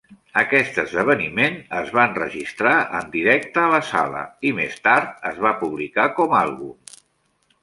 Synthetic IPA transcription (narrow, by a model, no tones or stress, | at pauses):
əkɛst̪əzðəβ̞ənimenəzβanrə̰ʒist̪ɾaʔənd̪iɾɛk̚t̪əːləsa̰lə̰imḛst̪aɾt̪̚əzβapuβlikakɔmalˠɣu